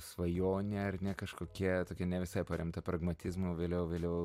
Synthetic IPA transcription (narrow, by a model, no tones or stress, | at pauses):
sʋɐjoːnʲeɐrnʲɛkɐʃkoːkʲiɛt̪oːkʲɛnʲɛʋʲɪsɐɪpɐɾʲɛmt̪ɐpɾɐɡmɐt̪ʲɪzmoʋʲeːlʲɛʊʋʲeːlʲɛʊ